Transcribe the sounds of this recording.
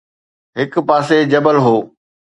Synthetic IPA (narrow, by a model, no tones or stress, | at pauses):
ɦɪkpaːsed͡ʑɐbəlɦoː